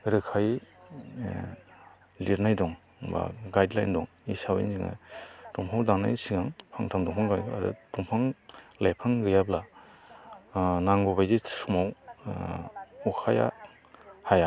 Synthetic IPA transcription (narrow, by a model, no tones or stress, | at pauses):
ɾɯkʰaj | liɾnajdɔŋ | ba̰ɡajdlajndɔŋ | isawḭnziŋɯ̰tɔmpʰawdaŋna̰jsiŋaŋpʰaŋtʰamdɔŋɦɔŋɡaja̰ɾɯ̰tɔmpʰaŋlajpʰaŋɡɯjabla | naŋɡɔβajde̥sumaw | ɔkʰaja̰ | haja